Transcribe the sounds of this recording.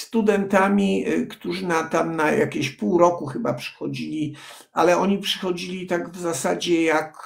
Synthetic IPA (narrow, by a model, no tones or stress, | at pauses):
st̪ud̪ɛnt̪amʲikt̪uʐɘnat̪amnaja̰kʲeɕpuwɾɔkuxɘba̰pʂɛ̥xɔd͡ʑilʲi | alɛɔɲipʂɘxɔd͡ʑilʲit̪aɡvzasad͡ʑɛjak